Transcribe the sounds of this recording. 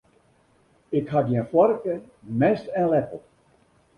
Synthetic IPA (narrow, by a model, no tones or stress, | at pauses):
ɪkhatjɛnfwɔrkə | mɛstɛ̃nlɛpəl̩ˠ